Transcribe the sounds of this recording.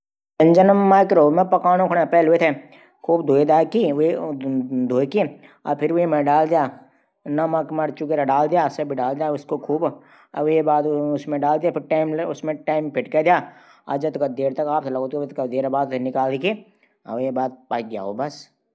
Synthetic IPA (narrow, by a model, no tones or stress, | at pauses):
ɐ̃nd͡ʒənəmːaːkɾoːmẽpɐkaːnõkʰʊɽepɛːlɦʊet̪ʰe | kʰuːbd̪ʱoːed̪aːkie | d̪ʱoːeki | a̰ːɾpʰɪɾimẽɖaːld̪ijaː | nɐmakmɐɽt͡ʃukeɾaɖaːld̪ijaːseɐbʱiɖaːld̪jaːʊskokʰuːb | ʋjebaːd̪ʊsmẽɖaːld̪ijaːpʰɪɾʈaːɪmʊsmẽʈaːɪmpʰɪʈked̪ijaː | a̰d͡ʒɐt̪kɐd̪eːɾt̪ɐkaːp̚sʰlɐɡoːt̪kobt̪kɐd̪eːɾbaːd̪nɪkaːld̪eːkʰe | ɐ̰ʋjebaːd̪̚paːɡja̰ːɦoːbɐs